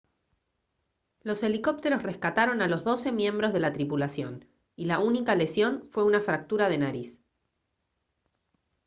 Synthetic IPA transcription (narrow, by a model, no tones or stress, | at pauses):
lo̞se̞liko̞p̚t̪e̞ɾo̞sreskat̪aɾo̞nalo̞zðo̞se̞mjẽ̞mbɾo̞zð̞e̞lat̪ɾipulasjo̞n | ilaunikale̞sjo̞nfwe̞unafɾak̚t̪uɾað̞e̞naɾis